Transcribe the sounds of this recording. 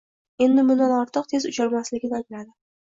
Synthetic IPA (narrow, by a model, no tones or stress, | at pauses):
e̞nd̪ɪmʊnd̪anɒɾt̪ʰɨq̚t̪ʰe̞zʊt͡ʃʰaɾmaslɪɡʲɪd̪anbɪɾad̪ɪ